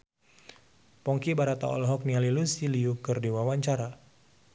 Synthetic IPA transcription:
pɔŋkibaɾat̪a̰ɔ̰lɦɔk̚nialilusiliukɨrdiwawaɲt͡ʃaɾa

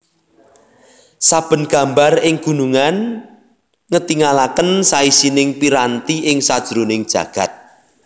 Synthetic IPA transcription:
sab̥ə̤nɡ̥ä̤mbarɪŋɡ̥ṳnuŋan | ŋət̪iŋalakənsaisinɪŋpiɾant̪iʔɪŋsad̥ʒ̥ɾunɪŋd̥ʒ̥ä̤̰ɡ̥a̤t̪̚

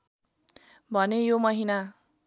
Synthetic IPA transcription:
bʱʌnejomʌɦina

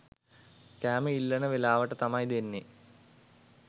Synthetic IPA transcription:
kæːməilːɐnəʋelaːʋəʈət̪amɐjd̪enːe

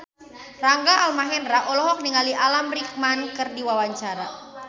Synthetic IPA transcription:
raŋɡaʔalmaɦɛnraʔɔlɔɦɔk̚niŋaliʔalamrik̚mankɨrdiwawaɲt͡ʃaɾa

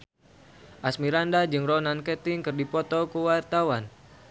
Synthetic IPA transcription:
ʔasmiɾandad͡ʒɨŋɾɔnankɛt̪iŋkɨrdipɔt̪ɔkuwart̪awan

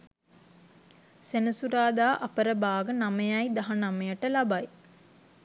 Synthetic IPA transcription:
senəsuɾaːd̪aːʔɐpəɾəbaːɡənamejajd̪aɦanamejəʈəlabaj

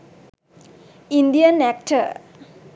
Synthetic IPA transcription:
indiənɛk̚ʈʰə

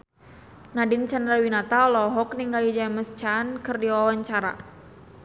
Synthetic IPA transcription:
nadɪnt͡ʃandɾawinat̪alɔɦɔkniŋɡalid͡ʒaməst͡ʃankɨrdiwawaɲt͡ʃaɾa̰

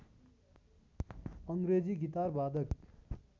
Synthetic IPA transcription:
ʌŋɡɾed͡ziɡit̪arbad̪ʌk

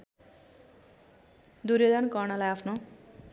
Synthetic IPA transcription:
d̪uɾjod̪ʌnkʌnʌlajapʰno

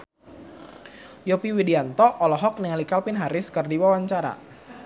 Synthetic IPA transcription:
jopiwidiant̪ɔʔɔlɔɦɔk̚nɛalikalpɪnɦaɾɪskərdiwawaɲt͡ʃaɾa̰

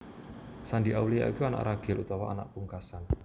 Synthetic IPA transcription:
sandiʔawlija̰ḭkuana̰ʔraɡ̥ɪlut̪awaʔa̰na̰ʔ̚puŋkasan

